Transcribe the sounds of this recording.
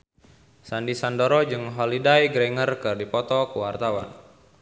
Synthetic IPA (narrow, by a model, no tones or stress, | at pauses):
sandisandoɾɔd͡ʒɨŋɦɔlidajɡɾɛŋərkɨrdipɔt̪ɔkuwart̪awa̰n